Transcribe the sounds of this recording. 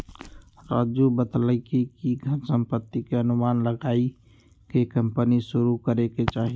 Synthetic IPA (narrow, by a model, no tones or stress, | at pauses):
ɾaːd͡ʒubət̪ləkikiɡʱəɾsə̃mpət̪ːikeənʊmaːnləɡaːi | kekə̃mpəniʃʊɾukəɾeket͡ʃaːɦi